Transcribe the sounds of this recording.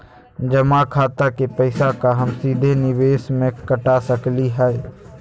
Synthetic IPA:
d͡ʒəmakʰaːt̪akepəɪsakaɦəmsiːd̪ʱenɪbeːsmẽkəʈasəkliɦɛː

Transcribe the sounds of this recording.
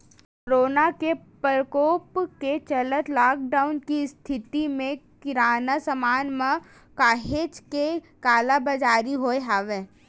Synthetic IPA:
koɾoːnakepɾəkoːpket͡ʃɐlət̪laːk̚ɖaːʊnkist̪ʰɪt̪imẽkɪɾaːnasəmaːnmə | kaːɦeːt͡ʃke | kaːlabəd͡ʒaːɾiɦoːeɦaːʋe

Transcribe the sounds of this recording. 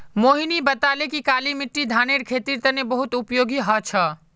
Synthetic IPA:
moːɦinibət̪aːlekikaːlimɪʈːid̪ʱaːneɾkʰeːt̪iɾt̪ənebəɦut̪ʊpjoːɡiɦət͡ʃʰə

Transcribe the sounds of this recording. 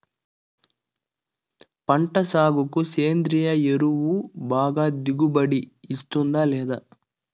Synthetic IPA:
pɐɳʈɐsaːɡukuseːnd̪ɾijɐeɾuʋubʱaːɡad̪iɡubɐɽiːst̪und̪aleːd̪ɐ

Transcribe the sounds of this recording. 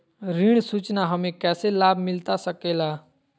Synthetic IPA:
ɾiɽ̃sut͡ʃnaɦəmẽkɛːselaːbmɪlt̪asəkela

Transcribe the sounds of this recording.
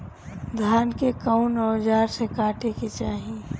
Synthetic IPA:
d̪ʱaːnkekəʊnɔːd͡ʒaːɾsekaːʈeket͡ʃaːɦĩ

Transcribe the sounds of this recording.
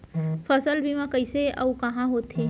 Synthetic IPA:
pʰɐsəlbʱimãkɐɪseɐ̰ukɐɦãɦoːt̪ɦeː

